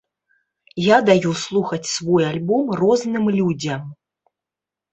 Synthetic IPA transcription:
jad̪ajuslˠuxɐt͡sʲsvɔjalʲbɔmrɔznɨmlʲud͡zʲɐm

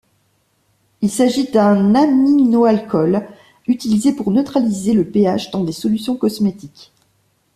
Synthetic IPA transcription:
ilsaʒid̪ɛ̃naminoalkɔl | yt̪ilizepuʁnøt̪χalizeləpeaʃd̪ɑ̃d̪esɔlysjɔ̃kɔsmet̪ik

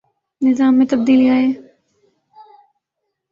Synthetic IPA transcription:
nɪzaːmːẽt̪ɐb̚d̪iːliaːɦeː

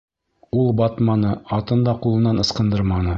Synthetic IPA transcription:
ulˠbɑt̪mɑnɤɑt̪ɤ̆nd̪ɑqulˠɤ̆nːɑnɤ̆sqɤ̆nd̪ɤɾmɑnɤ

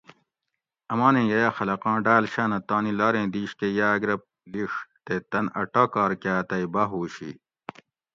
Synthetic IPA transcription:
ɐmãːnẽːjɐjaːxɐlɐqɑ̃ːɖaːlɕaːnɐt̪aːnilaːɾẽːd̪iːɕkejaːɡɾɐp̚ | liʂt̪et̪ɐnɐ̰ʈaːkaːɾkaːt̪ɐibaɦuːɕḭ

